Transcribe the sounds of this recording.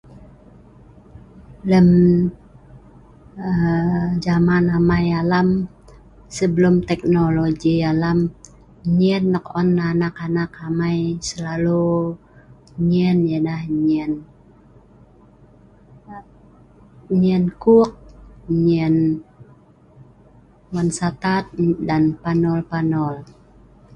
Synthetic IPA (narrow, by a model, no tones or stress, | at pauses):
ləm | əd͡ʒamanamajalam | səbəlumt̪ɛk̚noloɡialam | ɲɛnːəkɔnːanakanakamajsəlalu | ɲɛnjadahɲɛn | ɲɛnkuk̚ɲɛn | wansat̪at̪̚danpanɔlpanɔl